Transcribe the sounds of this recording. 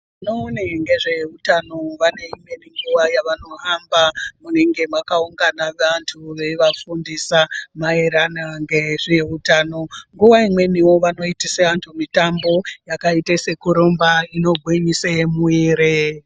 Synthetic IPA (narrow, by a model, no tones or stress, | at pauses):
inoneŋɡe̞ʐe̞utano̞ʋane̞imwe̞niŋɡuʋajaʋano̞ɦambamune̞ŋɡe̞makauŋɡanaʋantʰuʋe̞ʋafundisamaeɾanaŋɡe̞ʐe̞utaːno̞ŋɡuʋaimwe̞niwo̞ʋano̞itiseantʰumitambo̞jakaitese̞kuɾombaino̞ɡʱweɲisemuiːɾe